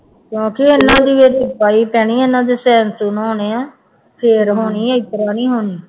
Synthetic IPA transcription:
kjõːkɪɪnːãːd̪iːʋeːɾiːpaːiːpɛːɽiːenãːd̪eːsɛːnsuːnɦoːneːãː | pʰeːɾɦoːniːɛɪt̪əɾaːniːɦoːniː

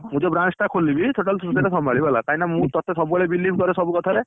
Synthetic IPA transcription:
mũd͡ʒɔbɾansʈakʰolːibit̪ʰoʈalsɾut̪iɾesɔmaɭibalakaɦĩnamũt̪ɔt̪ʰesɔbuɔɭebilːipʰkɔɾesɔbukɔt̪ʰaɾe

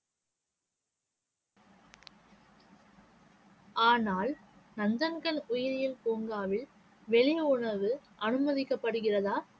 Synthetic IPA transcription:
aːnaːlnɐnd̪ɐnɡɐɭʊjɪɾɪjɪlkoːŋɡaːʋɪl | ʋɛɭɪjʊɳɐʋɯʔɐnɯmɐðɪkːɐpːɐɽɯɣɪrɐðaː

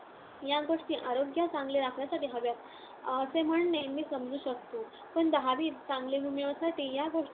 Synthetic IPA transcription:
jaɡoʂʈiːʔaɾoɡjat͡sãŋɡleɾakʰɳjasaʈiːɦaʋjat̪ | əsem̤əɳnemiːsəmd͡zʱuːɕək̚t̪oː | pəɳd̪əɦaʋiːt͡sãŋɡlebʱumjeʋəsaʈiːjaɡoʂʈ

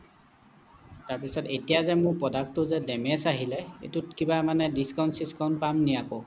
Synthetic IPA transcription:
taɹpisɔtetijazɛmʊɹpɹɔdak̚tʊzɛdɛmɛsaɦilɛḛtutkibamanɛdiskawnsiskaʊ̃ntpamnijakɔ

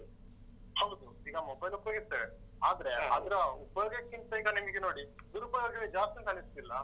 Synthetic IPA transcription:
hɐwd̪uiːɡɐmobɐjlupːɐjoɡise | aːd̪ɾeɐd̪ɾɐupːjoɡekinsɐjkɐnimɡenoːɽid̪uɾupɐjoɡɐʋed͡ʒaːst̪inkaːnisd̪ilːɐ

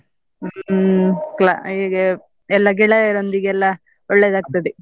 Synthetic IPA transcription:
kla̰iɡe | ɛlːɐɡɛɭɐɾond̪iɡeɛlːɐ | ɔɭːeːd̪aːɡ̚t̪ɐd̪e

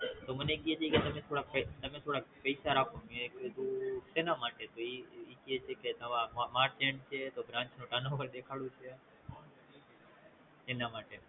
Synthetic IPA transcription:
t̪oːmənẽkieːt͡ʃʰeːket̪əmẽːt̪ʰoːɽaːpet̪əmẽːt̪ʰoːɽaːpeɪsaːɾaːkʰõːmõeked̪uːseːnaːmaːʈeːt̪oːiiːkieːt͡ʃʰeːket̪əʋãːmamaːʈ̚t͡ʃẽːɳɖt͡ʃʰeːt̪oːbɾãːnt͡ʃnõːʈaːnõːʋəɾd̪eːkʰaːɽũːt͡ʃʰeː | eːnaːmaːʈeː

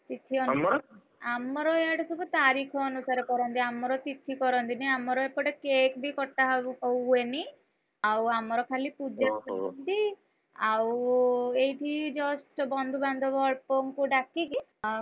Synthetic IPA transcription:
t̪it̪ʰiɔn | amɔɾɔeaʈesubɔt̪aɾikʰɔːnusaɾɔkɔɾɔnt̪iamɔɾɔt̪it̪ʰikɔɾɔnt̪iniamɔɾɔepɔʈekekbʱikɔʈːaɦɔweni | awamɔɾɔkʰalipud͡ʒakɔnt̪i | aw | ejʈʰid͡ʒɔsʈbɔnd̪ʱuband̪ʱɔbɔɭpɔŋkuɖakiki

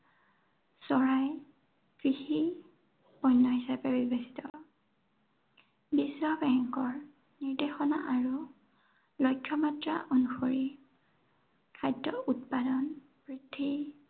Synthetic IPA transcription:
sɔɹaj | fixi | ɔjnːɔɦisapɛbibesi̥tɔ | bisɹɔbɛŋkɔɹ | niɹdexɔna̰ʔaɹu | lɔjkʰːjɔmatɹa̰ʔonuxoɹi | kʰajdɔʔutpadɔn | pɹitʰːi

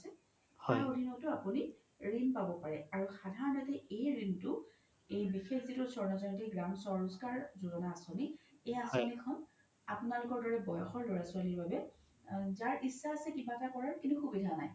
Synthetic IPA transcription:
sɛ | hɔjodʱinɔtʊapuni | ɹinpabɔpaɹɛaɹuxadʱaɹɔnatɛejɹintʊ | ejbixexzitʊsɔɹnɔzantiɡɹamsɔɹɔskaɹzuzɔnaːsɔniejasonikʰɔn | apʊnalʊkɔɹdɔɹɛbɔjɔxɔɹloɹasʊaliɹbabɛ | zaɹʔisːaːsɛkibatakɔɹaɹkintʊxubidʱanaj

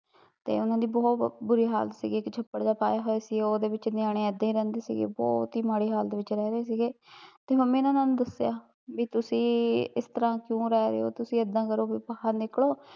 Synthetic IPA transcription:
t̪ḛːʊnãːd̪iːbɔːt̪bʊɾiːɦa̰ːlsḭːɡeːɪkt͡ʃʰəpːəɽd̪aːpa̰ːjaːɦoːeːsiːɡeːoːd̪eːʋɪt͡ʃnɪjaːɽ̃ẽːɛd̪ẽiːɾɛ̃ːnd̪eːsḭːɡḛːbɔ̰ːt̪iːmaːɽiːɦaːld̪eːʋɪt͡ʃɾɛːɾeːsiːɡeːt̪eːɦə̃mɛ̃ːʊnãːnãːnũːd̪əsjaː | biːt̪ʊsĩːɪst̪əɾãːkjõːɾɛːɾḛːo̰ːt̪ʊsĩːəd̪ãːkəɾoːbiːpaɦəɾnɪkloː

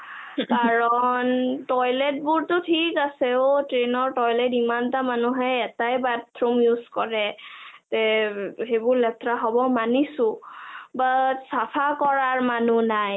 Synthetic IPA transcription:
kaɹɔntɔjlɛt̚bʊɹtʊtʰikasɛʊtɹenɔɹtɔjlɛtimantamanuɦɛɛtajbat̪ʰːɹumjuzkɔɹɛtɛɦebʊɹlɛt̪ʰɹaɦɔbɔmanisʊ̃basapʰakɔɹaɹmanunaj

